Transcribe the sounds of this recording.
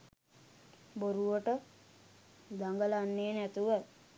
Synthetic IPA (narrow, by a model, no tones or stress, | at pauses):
boɾuʋəʈə | d̪aŋɡəlanːeːnæt̪uʋat̪̚